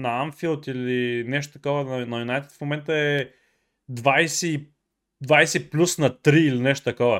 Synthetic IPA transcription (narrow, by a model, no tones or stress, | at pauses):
nɐamfilˠt̪ilinɛʃ̬t̪o̥t̪ɐkɔvənɐnɐjunajt̪ɛ̥t̪fmomɛnt̪əɛ | d̪vajsɛ | d̪vajsɛplʲusnɐt̪ɾiːlinɛʃt̪o̥t̪ɐkɔvə